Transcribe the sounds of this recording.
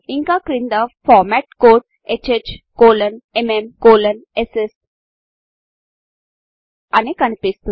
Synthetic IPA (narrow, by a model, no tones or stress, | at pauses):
iŋkaːkɾind̪ɐfʰɔːɾmɛʈkoːɖ̚ | et͡ʃet͡ʃkoːlɐnememkoːlɐneses | ɐnikɐnipist̪u